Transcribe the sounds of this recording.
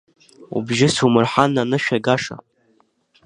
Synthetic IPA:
ṵbʒɪsumɨrħanːanɨʃᶣaɡaʂa̰

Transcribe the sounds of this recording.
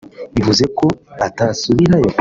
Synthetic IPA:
βivuze̞ko̞atasuβiɾajo

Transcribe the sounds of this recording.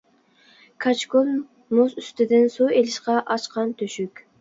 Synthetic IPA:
kʰɑt͡ʃkolˠ | nosyst̪ɪd̪ɪnsuelɪʃqɑʔɑt͡ʃqʰɑnt̪ʰyʃykʲ

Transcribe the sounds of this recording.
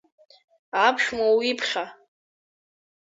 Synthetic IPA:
apʰʃmawipʰχʲa

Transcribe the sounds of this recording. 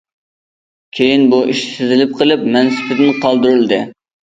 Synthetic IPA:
kʲʰejinbuʔiʃsɪzɪlɪp̚qʰəlˠɨpmɛnsɪ̥pʰɪt̪ɪnqʰɑlˠd̪uɾɨlˠd̪ɨ

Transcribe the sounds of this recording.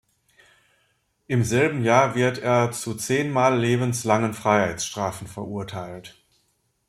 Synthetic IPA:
ʔɪmzɛlbm̩jaːɐvɪɐteːɐt͡sut͡seːnmaːlːeːbn̩slaŋənfʁ̥aɪhaɪt͡ssʃtʁ̥aːfn̩fɛɐʔuɐtʰaɪlt

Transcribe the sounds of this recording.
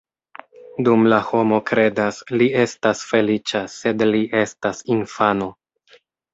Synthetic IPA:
dumlaho̞mo̞kɾe̞daslie̞stasfe̞lit͡ʃase̞dliʔe̞stasinfano̞

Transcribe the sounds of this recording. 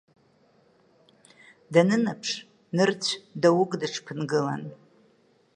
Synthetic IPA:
danɨnapʰʂ | nɨrt͡ɕʷʰdawʊɡʼdɨʈ͡ʂʰpʰɨnɡɨla̰n

